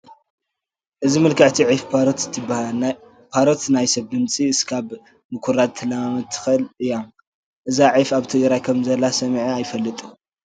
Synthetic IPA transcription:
ʔɨzimɨlkʰɐʕt̪ʰiʕift̪ʰːɨb | pʰaɾot̪najsɐβd̪ɨmt͡sʼiɨskʰaβ | mɨkʰuɾad̪̚t̪ʰːɨlamamɐt̪ʰːɨ̥xɐlɨjːom | ʔɨzaʕijfaβt̪ʰɨɡɾajkʰɐmzɐlːasɐmʕiajfɐlːɨt̪ʼu

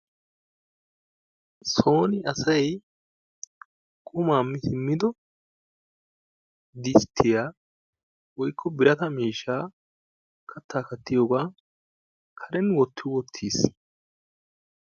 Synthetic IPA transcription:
so̞ːnɪɐsɐj | kʼʊmaːmːɪsɪmːɪd̪ɔ | d̪ɪst̪ʰːɪjaː | wɔjkʰːɔbɪɾɐt̪ɐmiːʃːaː | kʰɐt̪ːaːkɐt̪ːɪjoːɡaː | kʰɐɾɛnwɔt̪ːɪwɔt̪ʰːiːs

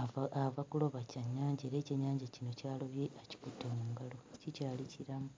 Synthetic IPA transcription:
avakulo̞βacaɲːaːɲɟeːɾeːcaɲːaːɲɟacino̞caːloβjeʔaci̥kutːomuːŋɡalocicaːlicʰiɾamu

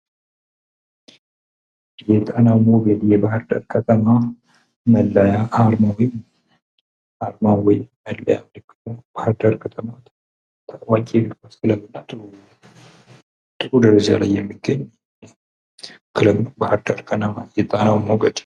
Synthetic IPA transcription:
jɛt̪ʼanamoɡeljɛbahəɾd̪ə̰ɾkʰʼət̪ʼəma | məlːajaʔaɾmawɔjm | aɾmawɔjməlːaja̰mlkːɨt̪b̥ahəd̪əɾkʰʼət̪ʼəmat̪ | t̪ʰakʼwakʼebikaɨləmːɨnat̪ʼɨu | t̪ʼɨɾud̪əɾəd͡ʒa̰la̰jːɛmːɨɡəɲː | kʰɨləmbahəɾd̪əɾkʰʼənamajɛt̪ʼanawmoɡəd̪

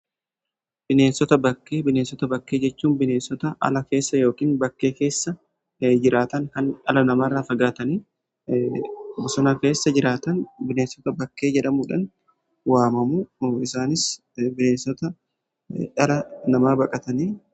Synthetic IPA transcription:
b̥ɪne̞ːnsɔt̪ɐbɐkːeːbɪneːnsɔt̪ɐbɐkːe̞ːd͡ʒɛt͡ʃːuːnbɪne̞ːnsɔt̪ɐʔɐ̰lɐke̞ːsːɐjo̞ːkiːnbɐkːe̞ːke̞ːsːɐ | d͡ʒɪɾʔaːt̪ɐnhɐnʔɐlɐnɐmaːrːaːfɐɡaːt̪ɐniː | bɔsɔnake̞ːsːɐd͡ʒɪɾaːt̪ɐnbɪneːnsɔt̪ɐbɐkːe̞ːd͡ʒɛᶑɐmuːᶑɐn | waːmɐmuɪsaːnɪs | bɪneːnsɔt̪ɐ | ʔɐlɐnɐmaːbɐkʼɐt̪ɐniː

